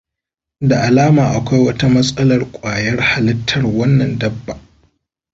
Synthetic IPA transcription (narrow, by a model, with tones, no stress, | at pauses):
da˨ʔa˨laː˦maː˨ʔa˨kʷa˦jwɐ˦ta˦mɐ˦sʼɐ˦lɐ˨rkʷʼaː˨jɐ˦rha˨lɪ˦tʰːɐ˨rwɐ˦nːɐ˨ndɐ˦bːa˨ʔ